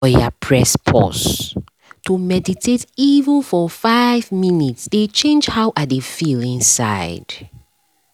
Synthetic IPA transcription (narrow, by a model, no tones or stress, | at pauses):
ɔja̰pʰɹɛspʰɔ̰s | tumɛditʰetivənfɔfaɪvminitsdet͡ʃẽnd͡ʒhaʊʔat̚defilĩnsa̰ɪd̥